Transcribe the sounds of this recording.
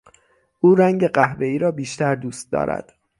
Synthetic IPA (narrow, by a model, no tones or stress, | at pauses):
ʔuːɾæŋɟe̞ɢæhve̞iːɾɒːbiːʃt̪æɾd̪uːst̪̚d̪ɒ̰ːɾæ̰d̪̥